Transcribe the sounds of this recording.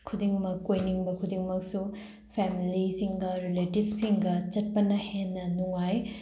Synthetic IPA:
kʰudiŋmɐkːojniŋbɐkʰudiŋmɐk̚su | pʰemilisiŋɡɐɾiletib̚ʰsiŋɡɐt͡ʃɐt̚pɐnɐhenːɐnuŋaj

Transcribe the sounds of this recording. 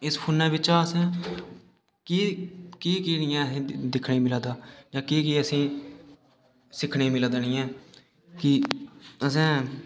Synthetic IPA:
ɪspʰuːnːɛ̃ːbɪt͡ʃaːəsɛ̃ː | kikiːkiːnɪːɛ̃ːəsĩːd̪ɪkʰneːmɪlaːd̪aːd͡ʒãːkiːkiːəsĩː | sɪkʰneːmɪlad̪añĩːɛ̃ː | kɪəsɛ̃ː

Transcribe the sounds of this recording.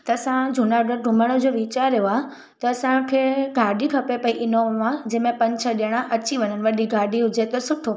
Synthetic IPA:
t̪ɐɐsãd͡ʑʱunaɡəɾɖʱʊ̃məɽ̃əd͡ʑoʋit͡ɕaɾejoa | t̪ɐːsãkʰeːɡʱaːɖikʰɐpepɐiʔɪnoad͡ʑɛ̃ːmẽpɐ̃ɲt͡ɕʰəɗijəɽ̃aʔɐt͡ɕiʋɐɲənɪ̆ʋɐɗiɡʱaːɖiɦʊd͡ʑet̪ɐsʊʈʰo

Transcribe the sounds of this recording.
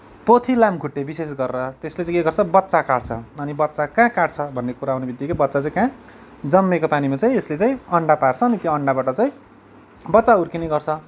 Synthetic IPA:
pot̪ʰilamɡʱuʈːebisesɡʌrɾʌt̪eslet͡saĩeɡʌrt͡sʰʌbʌt̪ːsakaɽt͡sʰʌʌnibʌt̪ːt͡sakãkaɽt͡sʰʌbʱʌnːekuɾaawnebid̪jikobʌt̪ːt͡sat͡saĩkã | d͡zʌmːekopanimat͡saĩeslet͡saĩʌɳɖapart͡sʰʌːnit̪joʌɳɖabaʈʌt͡saĩ | bʌtːt͡saurkinejɡʌrt͡sʰʌ

